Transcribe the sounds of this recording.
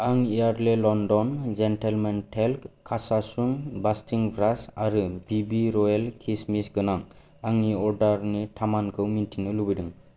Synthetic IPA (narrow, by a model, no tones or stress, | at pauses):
aŋijaɾlelɔndɔnd͡ʒentʰelmentʰelkkʰːasasuŋbastʰiŋbʱɾasaɾɯbibiɾɔjalkʰismisɡɯnaŋ | aŋniɔɾdaɾnitʰamankʰɯwmintʰinɯlubidɯŋ